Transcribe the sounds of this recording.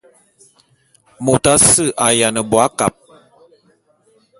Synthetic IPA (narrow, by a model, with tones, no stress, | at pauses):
mo˨ta˦sɨ˦˨ʔa˨ja˨nə˨bwa˦ka˨p̚